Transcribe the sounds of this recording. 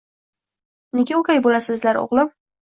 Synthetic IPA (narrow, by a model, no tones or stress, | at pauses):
neɡʲaʊkʲajbolasɪzlaɾo̰ʁlˠɪm